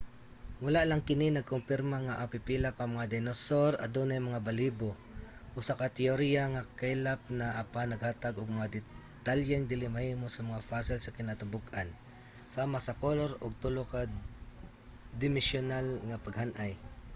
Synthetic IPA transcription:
mʊlaʔlaŋkɪninaɡ̚kʊmpɪɾmaŋaʔapɪpilakamaŋad̪ɛnosoɾa̰d̪onajmɐŋabalibo | ʔʊsakat̪ɛoɾijaŋakajlap̚naʔapanːɐɡhaːt̪aɡʊɡ̚mɐŋad̪ɪ | t̪aljɛŋd̪ɪlɪmahiːmosɐmɐŋafasɪlsakɪnat̪ʊbʊkʔan | saːmasakoloɾʊɡ̚t̪ʊloka | d̪ɪmɪsjʊnalŋapaɡhanʔaj

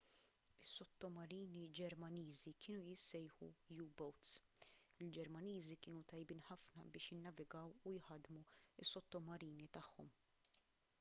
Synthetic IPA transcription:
ɪsːɔt̪ːɔmɐɾiːnid͡ʒɛɾmɐniːzikʰɪːnujɪsɛjħṵjuːbɐwt̪sɪld͡ʒɛɾmɐniːzikɪːnut̪ɐjbiːnħɐfnɐbɪːʃjɪnːɐvɪɡɐwujħɐd̪muɪsːɔt̪ːɔmɐɾiːnit̪ɐħːɔ̰m

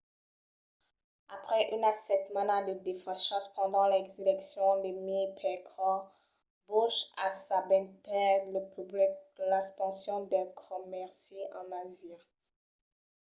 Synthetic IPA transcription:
apχɛʔynasɛt̪manad̪əd̪efãʃɑ̃spɑ̃d̪ɑ̃lɛkzelɛksjɔ̃d̪emipʰɛkɔ | buʃasabɛ̃t̪ɛləpyblik̪̚əlɛ̃spɑ̃sjɔ̃d̪ɛkʰɔmɛʁseʔɑ̃nazjɛ̃

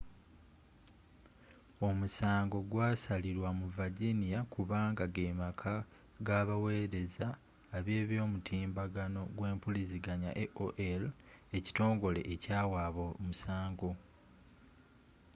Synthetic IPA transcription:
o̞musaːŋɡo̞ɡwaːsaliɾwamuvaɟinijakʰuβaːŋɡaɡe̞ːmakʰa | ɡaːβawe̞ːɾe̞zaː | βje̞ːβjo̞ːmutʰiːmbaɡano̞ɡwe̞ːmpuliziɡaɲa̰ʔeʔoʔel | e̞ci̥to̞ːŋɡo̞le̞̰ʔecaːwaːβomusaːŋɡo̞

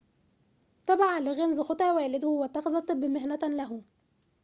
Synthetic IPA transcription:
t̪ˤɑbʕalɪɣænzxot̪ˤɑwæːlɪd̪hʊwæt̪ːɑxzɑt̪ˤːɨbːmɪhnæt̪læɦʊ

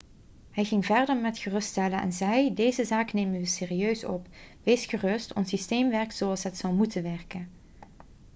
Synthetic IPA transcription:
ɦɛjɣɪŋvɛɹdəɹmɛtxərɵstɛlənʔɛ̰nzɛjdejzəzaːknejmənʋəseːriøɥsɔ̰pʋeːsχərɵstɔ̰nsisteːmʋɛɹk̚tsowɑlˠsɦətsɑwˠmutənʋɛɹkən

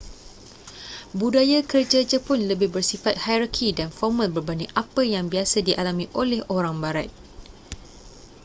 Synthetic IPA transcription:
budajakərd͡ʒad͡ʒapʊnləbɪhbərsifat̪̚hajɾakʰidanfɔrmãlbərbaniʔapəjaŋbiasadiʔalamĩʔolɛhoɾaŋbaɾat̪̚

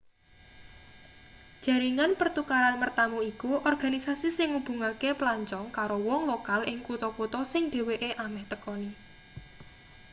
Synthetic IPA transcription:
d̥ʒ̥a̤ɾiŋanpərt̪ukaɾanmərt̪amuikuʔɔrɡ̥a̤nisasisɪŋub̥ṳŋakeplaɲt͡ʃɔŋkaɾowɔŋlokalʔɪŋkut̪ɔkut̪ɔsɪŋd̪̥e̤weʔeʔamɛht̪əkɔni

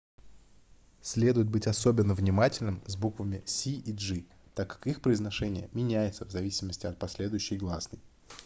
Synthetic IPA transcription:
sʲlʲe̞d̪ʊjɪt̪̚bɨtʲɐso̞bʲɪnːəvnʲɪmatʲɪlʲnɨmzʲbukvəmʲɪsʲiiʐɨ | t̪akːḁkixpɾəɪznɐʂɛnʲɪjə̰mʲɪnʲæjɪt̪səvzɐvʲisʲɪməsʲtʲɪɐt̪̚pɐsʲlʲe̞d̪ʊjʏɕːɪjɡlˠasnəj

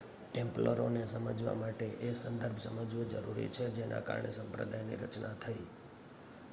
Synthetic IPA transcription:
ʈẽmpləɾonesəməd͡ʒʋa̰maʈeʔesənd̪əɾbʱsəməd͡ʒʋod͡ʒəɾuɾḭt͡ʃʰed͡ʒenʔa̰ka̰ɾɳesəmpɾə̰d̪ajnḭɾət͡ʃnat̪ʰəi

